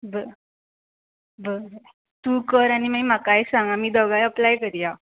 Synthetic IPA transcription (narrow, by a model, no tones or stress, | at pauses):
bə | bəɾ | t̪uːkəɾañimajm̤akajsãŋɡamiːd̪əɡajəplajkəɾija